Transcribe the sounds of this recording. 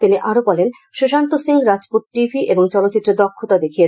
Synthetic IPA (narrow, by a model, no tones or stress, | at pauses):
t̪iniʔaɾobɔlen | ʃeʃant̪osiŋɡɾad͡ʑpot̪̚ʈibʱiʔeboŋt͡ɕɔlot̪ːɕit̪ːɾed̪ɔkʰːot̪ad̪ekʰie